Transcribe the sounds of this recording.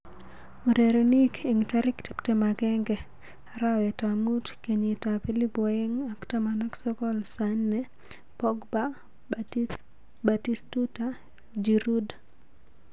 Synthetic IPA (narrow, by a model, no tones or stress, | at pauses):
uɾeɾenikeŋtaɾɪkti̥ptemaɡɛŋɡɛ | aɾawɛtamutkeɲetapilipɔeŋaktamanaksɔkɔlsanːɛ | pɔɡba | batistuta | d͡ʒiɾud